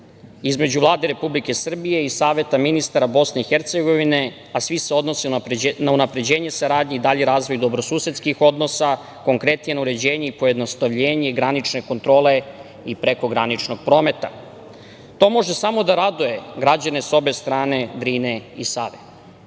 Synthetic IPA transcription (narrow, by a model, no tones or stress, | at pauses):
izme̞d͡ʑuʋlˠaːd̪eɾe̞publike̞sr̩bije̞isaːʋe̞t̪aminist̪aɾabo̞sne̞ixeɾt̪seɡo̞ʋine̞ | asʋiseo̞d̪no̞sinaunapɾe̞d͡ʑe̞ːɲe̞saɾaːd̪ɲeid̪aʎeɾaːzʋo̞jd̪o̞bɾo̞suːset̪skixo̞d̪no̞sa | ko̞ŋkɾe̞t̪nije̞nauɾe̞d͡ʑe̞ːɲeipo̞jed̪no̞st̪aʋʎeːɲe̞ɡɾanit͡ʃne̞ko̞nt̪ɾo̞ːle̞ | ipɾe̞ko̞ɡɾanit͡ʃno̞ɡ̚pɾo̞ːme̞t̪a̰ | t̪o̞mo̞ʒesamo̞d̪aɾad̪uje̞ɡɾad͡ʑane̞so̞be̞st̪ɾaːne̞d̪ɾineisaːʋe